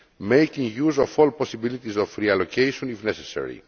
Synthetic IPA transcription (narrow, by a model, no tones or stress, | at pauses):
mejcĩŋjuzofolposibilit̪izofɾiɐlocejʃõnifnesesḛɾḭ